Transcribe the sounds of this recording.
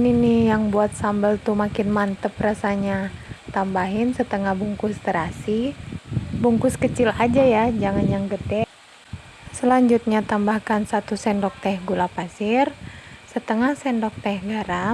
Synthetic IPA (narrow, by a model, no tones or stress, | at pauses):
ninijaŋbuat̪̚sambəlt̪umakɪnmant̪əprasaɲat̪ambaɦɪnsət̪əŋahbuŋkust̪əɾasi | buŋkʊskət͡ʃilad͡ʒajad͡ʒaŋanjaŋɡədɛ | səlaɲd͡ʒut̪̚ɲat̪ambahkansat̪usɛndɔk̚t̪ahɡulapasɪrsət̪əŋahsɛndɔk̚t̪ɛhɡaɾa